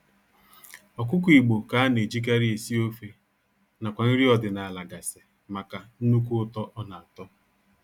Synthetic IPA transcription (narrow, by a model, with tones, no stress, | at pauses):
ɔ˨k̬ʷʊ˦k̬u˦i˨ɡ͡bo˨ka˨a˦ne˨d͡ʒi˦k̬a˦ɾi˦e˨si˦o˦fe˨ | na˨kʷa˨n̩˦ɾi˦ɔ˨dɪ˨na˨a˨la˨ɡa˨se̥˨ | ma˨ka˨n̩˦nu˦ku˦ʊ˦tɔ˦ʔɔ˦na˨a˨tɔ˦